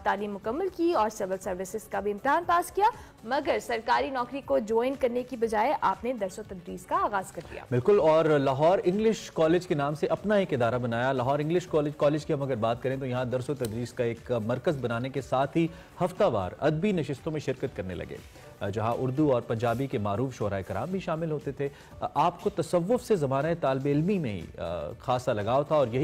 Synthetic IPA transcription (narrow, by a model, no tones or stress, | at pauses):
t̪aːliːmːʊkɐmːəlkiɔːɾsɪʋəlsɐɾʋɪsɪzkabʱiɪ̃mt̪ɪɦaːnpaːskija | mɐɡəɾsɐɾkaːɾinɔːkɾikod͡ʒɔːɪnkɐɾnekibɐd͡ʒaːeʔaːpned̪ɐɾsot̪ɐd̪ɾiːskaaːɣaːzkɐɾd̪ḭja̰ːbɪlkʊlɔːɾlaɦɔːɾɪ̃ŋɡlɪʃkɔːleːd͡ʒkenaːmseʔɐpnaeːkɪd̪aːɾabɐnaːjalaɦɔːɾɪ̃ŋɡlɪʃkɔːleːd͡ʒkɔːleːd͡ʒkiɦɐmɐɡəɾbaːt̪̚kɐɾẽt̪ojɐɦãd̪ɐɾsot̪ɐd̪ɾiːskaeːkmɐɾkəzbɐnaːnekesaːt̪ʰɦi | hɐft̪aʋa̰ːɾɐ̰d̪binɐʃɪst̪õmẽʃɪɾkət̪̚kɐɾnḛlɐ̰ɡḛː | d͡ʒɐɦãʔʊɾd̪uɔːɾpɐ̃ɲd͡ʒaːbikemaːɾuːfʃoːɾaːekɪɾa̰ːmbʱiʃaːmɪlɦoːt̪et̪ʰe | aːpkot̪ɐsɐʋːʊfsezɐmaːnaet̪aːlbeɪlmimẽɦḭxaːsalɐɡaːot̪ʰaɔːɾjɐɦi